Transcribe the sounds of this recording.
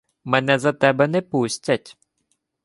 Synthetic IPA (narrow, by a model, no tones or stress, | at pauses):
mɛnɛzɐt̪ɛbɛnɛpusʲtʲɐtʲ